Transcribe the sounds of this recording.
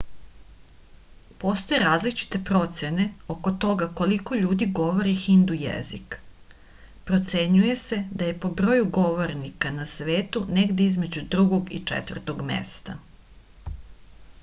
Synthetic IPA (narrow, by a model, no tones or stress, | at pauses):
post̪o̞jeɾaːzlit͡ʃi̥t̪e̞pɾo̞t̪se̞ne̞oko̞t̪o̞ɡako̞liko̞ʎuːd̪iɡo̞ʋoɾixind̪ujḛzḭk | pɾot̪se̞ɲuje̞se̞d̪aje̞po̞bɾo̞juɡo̞ʋo̞ɾnikanasʋe̞ːt̪uneɡd̪eizme̞d͡ʑud̪ɾuɡo̞ɡḭt͡ʂɛ̰t̪vr̩t̪oɡmḛst̪a